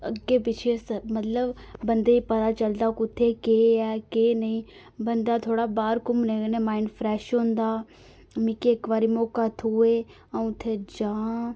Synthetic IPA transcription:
əɡːeːpɪt͡ʃʰesəmət̪ləbbənd̪eːiːpət̪aːt͡ʃəld̪aːkʊt̪ʰːeːkeːɛːkeːnəɦĩː | bənd̪aːt̪ʰoːɽaːbaːɾkʊmnẽːnemaːɪɳɖfɾɛːʃɦõːnd̪aː | mɪkeːkʋaːɾiːmoːkaːt̪ʰuːe | ãt̪ʰːeːd͡ʒãː

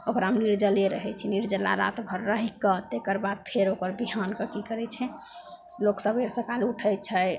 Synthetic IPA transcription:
okəɾamniɾd͡ʒəleɾəɦɛt͡ʃʰɛniɾd͡ʒəlːa̰ɾa̰t̪bʱəɾːəɦikːət̪ekəɾbad̪̚pʰeɾokəɾbiɦankəkikəɾɛt͡ʃʰɛ | loksəbeɾsə̃kaluʈʰəjt͡ʃʰəj

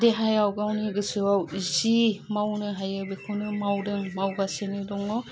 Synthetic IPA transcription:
deɦajawɡawniɡɯsɯwawzimawnɯɦajabekʰunɯmawdɯŋmawɡasenɯdɔŋɔ

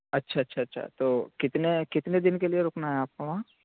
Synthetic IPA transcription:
ɐtːʃʰaɐtːʃʰaɐtːʃʰa̰t̪oːkɪt̪nekɪt̪ned̪ɪnkelieɾʊːknaɦɛaːp̚komãː

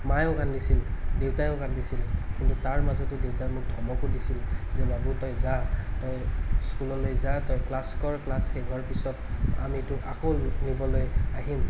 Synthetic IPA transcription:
majɔ̃kandisildewtajʊ̃kandisilkintutaɹmazɔtɛdewtajmʊk̚dʱɔmɔkʊdisilzɛmaɡutɔjzatɔjskulɔlojzatɔjklaskɔɹklasxejɡʱɔɹpisɔta̰mitʊʔa̰xonibɔlojaɦim

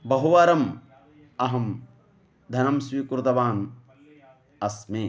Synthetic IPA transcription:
bɐɦuʋaːɾɐm | ɐɦɐm | d̪ʱɐnɐmsʋiːkuɾut̪ɐʋaːn | ɐsmeː

